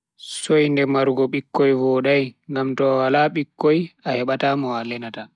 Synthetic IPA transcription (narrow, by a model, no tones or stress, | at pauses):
sɔjndɛmaɾɡɔɓikːɔjvɔːɗajŋɡamtɔwalaɓikːɔjahɛɓatamɔalɛnata